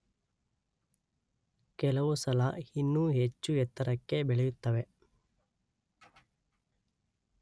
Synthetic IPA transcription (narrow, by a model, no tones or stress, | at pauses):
kɛlɐʋusɐlɐhinːuɦet͡ʃːuɛt̪ːɐɾɐkːe̞bɛɭejut̪ːɐʋe̞